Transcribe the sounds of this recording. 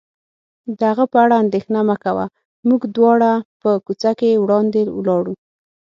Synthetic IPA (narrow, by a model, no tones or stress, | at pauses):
d̪əhaɣapəaɽaːnd̪exnamakawa̰ | muɡd̪wɑɽapəkut͡sakewɽɑnd̪ewlɑɽu